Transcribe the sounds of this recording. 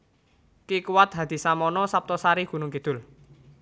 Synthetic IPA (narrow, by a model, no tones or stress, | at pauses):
kikuwat̪̚ɦa̤d̪̥i̤samɔnɔsap̚t̪ɔsaɾiɡ̥ṳnʊŋkid̪̥ʊ̤l